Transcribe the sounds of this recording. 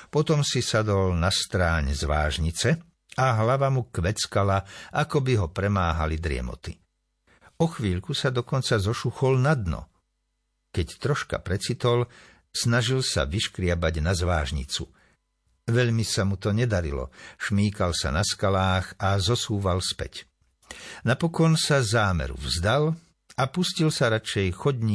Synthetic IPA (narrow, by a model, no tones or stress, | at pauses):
pɔt̪ɔmsisad̪ɔlnast̪ɾaːɲzʋa̰ːʒɲit͡sɛ | aɦlaʋamukʋɛt͡skalaʔakɔbiɦɔpɾɛmaːɦalid̪ɾɪɛ̰mɔ̰t̪i | ɔxʋiːʎkusad̪ɔkɔnt͡sazɔʃuxɔlnad̪nɔ̰ | kɛct̪ɾɔʃka̰pɾɛt͡sit̪ɔl | snaʒilsa̰ʋiʃkɾɪabaɟnazʋaːʒɲḭt͡sṵ | ʋɛʎmisamut̪ɔɲɛd̪aɾḭlɔ̰ʃmiːkalsa̰naskalaːxazɔsuːʋalspɛ̰c | napɔkɔnsazaːmɛ̰ɾṵvzd̪al | apuscilsaɾat͡ʃɛjxɔdɲi